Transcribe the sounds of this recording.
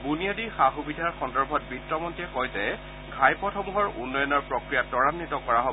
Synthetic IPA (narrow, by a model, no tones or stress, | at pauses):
bunijadixaxubidʱaɹxɔndɔɹbʱɔt̚bitːɹɔmɔntiɛkɔjzɛ | ɡʱajpɔtʰɔmuɦɔɹṵnːɔjɔnɔɹpɹɔkɹijatɔɹanːitɔkɔɹaɦɔ